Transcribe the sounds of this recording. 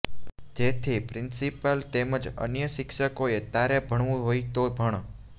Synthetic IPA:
d͡ʒet̪ʰipɾɪnsipəlt̪eməd͡ʒə̰njəʃɪkʃəkoet̪aɾebʱəɽ̃ʋũɦoit̪obʱəɳ̃

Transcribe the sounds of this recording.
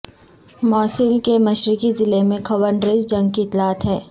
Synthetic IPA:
mɔːsɪlkemɐʃɾikizɪlemẽkʰɐwəɳɖɾeːzd͡ʒɐ̃ŋɡkit̪laːt̪ɦɛː

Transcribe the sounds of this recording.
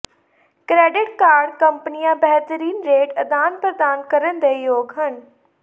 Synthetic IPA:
kɾeːɖɪʈ̚kaːɾɖkɐ̃mpənijãbɛɦt̪əɾiːnɾeːʈɐd̪aːnpɾɐd̪aːnkɐɾənd̪ejoːɡɦənɪ̆

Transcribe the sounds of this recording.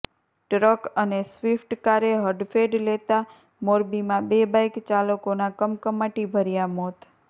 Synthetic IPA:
ʈɾəkənesʋifʈkaɾeɦəɖfeɖlet̪a | moɾbimãbebajkt͡ʃaləkonakəmkəmaʈibʱəɾjamɔt̪

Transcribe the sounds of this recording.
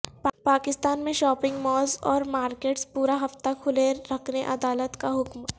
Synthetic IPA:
ppaːkɪst̪aːnmẽʃɔːpɪ̃ŋɡmɔːzɔːɾmaːɾkeːʈspuːɾaɦɐft̪akʰʊleːɐkʰneʔɐd̪aːlət̪kaɦʊkm

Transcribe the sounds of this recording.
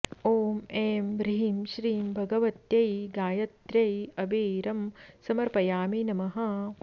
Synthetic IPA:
oːmeːmbɾiɦimʃɾiːmbʱɐɡɐʋɐt̪jɐjɡaːjɐt̪ɾɐjɐbeːɾɐmsɐmɐɾpɐjaːminɐmɐɦɐ

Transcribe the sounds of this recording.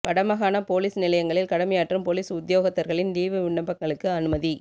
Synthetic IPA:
pɐɽɐmɐɣaːnɐpoːliːsnɪlɐjɐŋɡɐɭɪlkɐɽɐmɐjaːʈrɯmpoːliːsʊd̪joːɣɐt̪ːɐɾɣɐɭɪnd̪iːʋɯʋɪɳːɐbɐŋɡɐɭɯkːɯɐnɯmɐði

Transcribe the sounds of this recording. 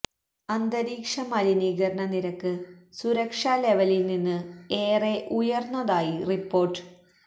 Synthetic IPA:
ɐnd̪ɐɾiːkʂɐmɐɾiniːɡɐɾɐɳɐniɾɐkːɨsuɾɐkʂaːle̞ʋɐlilninːɨeːreʔujɐrnːɐðaːjiripːo̞ːrʈːɨ̥

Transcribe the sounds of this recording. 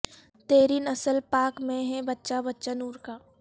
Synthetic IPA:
t̪eːɾinɐsəlpaːkmẽɦɛ̃bɐtːʃabɐtːʃanuːɾkaː

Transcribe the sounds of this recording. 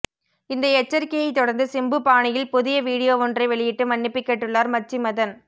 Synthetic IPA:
ɪnd̪ɐɛt͡ʃːɐɾkɪjɐɪt̪ːɔɽɐɾnd̪ɯsɪmbɯpaːɳɪjɪlpʊðɪjɐʋiːɽɪjoːʋɔndrɐɪʋɛɭɪjɪʈːɯmɐnːɪpːɪkːɛʈːɯɭːaːɾmɐt͡ʃːimɐðɐn

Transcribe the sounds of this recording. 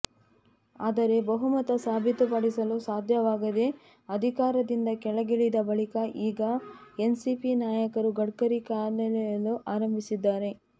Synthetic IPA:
aːd̪ɐɾe̞bɐɦumɐt̪ɐsaːbʱit̪upɐɽisɐlusaːd̪ʱjɐʋaːɡɐd̪e̞ | ɐd̪ʱikaːɾɐd̪ind̪ɐkɛɭɐɡiɭid̪ɐbɐɭikɐʔiːɡɐensipinaːjɐkɐɾuɡɐɽkɐɾikaːnɐlɛjɐluʔaːɾɐmbʱisid̪ːaːɾe̞

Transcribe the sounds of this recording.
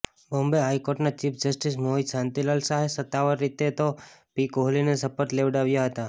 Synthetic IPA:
bombeɦajkoɾʈnat͡ʃifʰd͡ʒəsʈismoɦisãnt̪ilalsaɦesət̪ːaʋəɾːit̪et̪opikoɦlinesəpət̪leʋɖaʋjaɦət̪a

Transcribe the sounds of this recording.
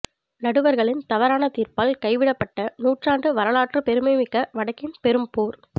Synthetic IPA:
nɐɽɯʋɐɾɣɐɭɪnt̪ɐʋɐɾaːnɐt̪iːɾpaːlkɐɪʋɪɽɐpːɐʈːɐnuːʈraːnɖɯʋɐɾɐlaːʈrɯpɛɾɯmɐɪmɪkːɐʋɐɽɐkːɪnpɛɾɯmpuːɾ

